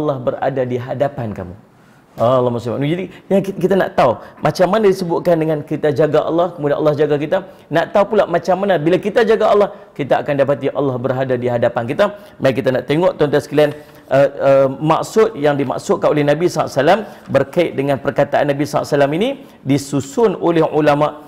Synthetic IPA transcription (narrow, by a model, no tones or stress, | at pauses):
ɑlːɑhbəɾa̰dadiɦadapanka̰mṵ | alːɑhmusima̰ʔnud͡ʒadiakit̪ana̰ʔt̪aumʔat͡ʃamːanadisəbʊʔ̪̚kandəŋãnkit̪ad͡ʒaɡaʔɑ̰lːɑhkəmudanʔɑ̰lːɑhd͡ʒaɡak̬it̪a | naʔt̪aupulamat͡ʃamːanabilakit̪ad͡ʒaɡaɑlːɑhkit̪aːkandap̬at̪iʔɑlːɑhbəɾɦadadiɦadapankit̪a | maŋkit̪anaʔt̪eŋɔʔt̪ɔnt̪asəkilian | ʔəəmaʔsʊt̪̚jaŋdima̰ʔsʊt̪̚kanolɛhnabisaa̰ʔsalambərkaɪʔ̪̚dəŋãnpərkat̪aʔa̰nːabisaa̰ʔsalamini | disusʊnolɛhulamaʔ